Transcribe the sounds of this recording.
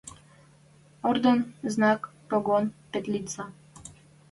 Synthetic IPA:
ɔɾd̪onznakpoɡɔnpɛt̪lit̪sa

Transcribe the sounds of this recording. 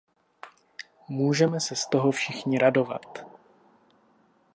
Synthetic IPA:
muːʒɛmɛsɛst̪o̞ɦo̞fʃɪxɲɪɾado̞va̰t̪

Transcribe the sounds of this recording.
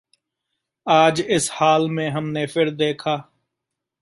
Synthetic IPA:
aːd͡ʒɪshaːlmẽːɦəmnepʰɪɾd̪eːkʰaː

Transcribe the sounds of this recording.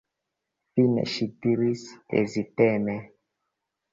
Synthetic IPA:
finɛ̰ʃitiɾisḛzitɛmɛ

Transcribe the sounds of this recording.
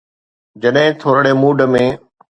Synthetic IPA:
d͡ʑɐɗɦɪ̃t̪ʰoːɾəɽeːmuːɖəmẽː

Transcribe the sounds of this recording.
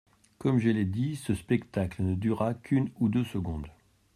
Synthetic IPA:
kɔmʒəlɛd̪isəspɛkt̪aklənəd̪yʁakʰynud̪øsəɡɔ̃d̪

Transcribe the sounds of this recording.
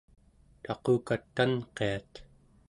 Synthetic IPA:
t̪ɑqoːkat̪ːanqe̞at̪

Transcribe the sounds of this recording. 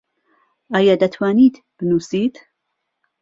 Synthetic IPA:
ʔaːjad̪ɐt̪ʰwaːniːt̪ | b̥ɨnuːsiːt̪

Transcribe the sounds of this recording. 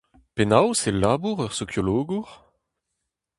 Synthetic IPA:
penawselaːbuʁœʁsokjoloːɡuʁ

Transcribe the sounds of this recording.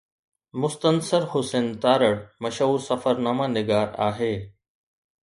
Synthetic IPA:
mʊst̪ənsəɾhʊsent̪aːɾəɽmɐʃɦuːɾsɐfəɾnaːmanɪɡaːɾa̰ːɦeː

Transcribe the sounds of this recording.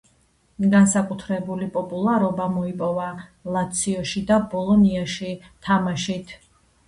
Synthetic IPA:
ɡansakʼut̪ʰɾɛbulipʼɔpʼulˠaɾɔbamɔipʼɔvalˠat̪sʰiɔʃid̪abɔlˠɔniaʃi | t̪ʰamaʃit̪ʰ

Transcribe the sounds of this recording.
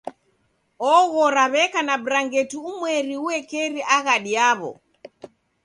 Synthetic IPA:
ɔɣɔɾaβɛkanabɾaŋɡɛtuumwɛɾiuɛkɛɾiʔaɣaɗiaβɔ̰

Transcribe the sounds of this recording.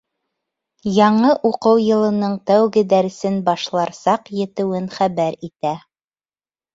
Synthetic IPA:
jɑɴɤʔuqɤwjɤ̆lˠɤ̆nɤɴt̪æwɡɘd̪æɾɘ̆sɘnbɑʃlˠɑɾsɑqjɘ̆t̪ɘ̆wɘnχæβæɾit̪æ

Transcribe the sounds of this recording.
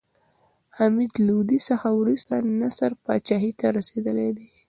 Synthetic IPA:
hamid̪lud̪isəxawɾust̪anasaɾpɑt͡ʃaɦit̪aɾased̪əled̪e

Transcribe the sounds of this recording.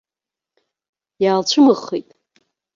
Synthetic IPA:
jaːlt͡ɕʷʰɨmɨχijtʼ

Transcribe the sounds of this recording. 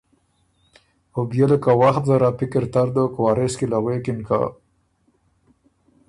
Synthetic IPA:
objeləkawaxt̪̚zaɾapikɪɾt̪aɾd̪okwaɾeskilaɣekinka̰

